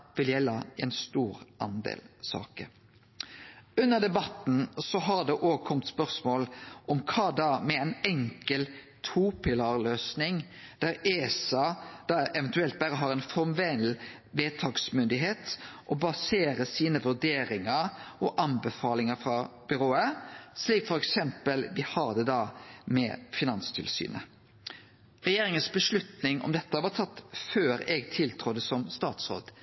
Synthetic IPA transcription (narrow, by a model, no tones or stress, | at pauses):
ʋɪljɛlːɑɛnst̪uːɾʔɑnd̪ḛːlsɑ̰ːkəɾ | ʉnːəd̪ɛbɑt̪n̩sɔɦɑʁd̪ɛʔoːkʰɔmt̪spœʁsmoːlʔɔmkʰɑːd̪ɑmɛɛnɛŋkəl | t̪ʰuːpɪlɑʁløːsnɪŋ | d̪̥æɾeːsɑd̪̥ɑɛʋɛnt̪ʉɛlt̪̚bæɾəɦɑːɾɛnfɔmʋɛnl | ʋeːt̪ʰɑːɡsmʏnd̪ɪɦeːt̪ʔɔbɑseːɾəsiːnəʋʉd̪eːɾɪŋəɾʔɔʔɑnbəfɑːlɪŋəfɾɑb̥ʏɾoːəsliːkfɔɾɛksɛmpəlʋɪhɑːɾd̪ɛd̪ɑmɛ̰fɪnɑnst̪ʰɪlsy̰ːnə̰ | ʁɛjeːɾɪŋənsbəʂlʉt̪nɪŋʔɔ̰md̪ɛt̪ːəʋɑːt̪ʰɑt̪ːføːɾɛɡt̪ʰɪlt̪ʰɾʊd̪əsɔmst̪ɑːt̪sɾo̰ːd̪